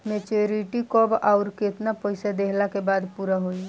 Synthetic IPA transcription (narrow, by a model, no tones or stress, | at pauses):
met͡ʃoɾiʈikɔbaʊɾket̪napəɪsad̪eɦlakebaːd̪puɾaɦoi